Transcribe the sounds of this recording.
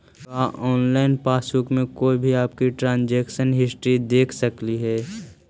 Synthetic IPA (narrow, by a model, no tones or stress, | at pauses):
kaʔɔːnlaːɪnpaːsukmẽkoːibʱiaːp̚kiʈɾãːnd͡ʒɛːkʃənɦɪsʈɾid̪eːkʰsəkliɦɛː